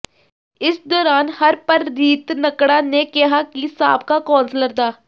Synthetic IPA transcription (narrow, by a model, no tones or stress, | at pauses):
ɪsd̪ɔːɾaːnhəɾpəɾːiːt̪nəkɽaːneːkɪɦaːkisa̰ːp̚kaːkɔːnsləɾd̪aː